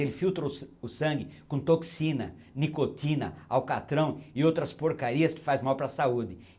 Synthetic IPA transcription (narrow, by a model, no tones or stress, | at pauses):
elɪfiwt̪ɾoʊsɐ̃ŋɡɪkõt̪oksĩnɐ̰ | nikot̪ĩnɐ̰awkat̪ɾɐ̃w̃ɪowt̪ɾɐspoɾkaɾiɐskɪ̥fazmawpɾɐsaud̪ɪ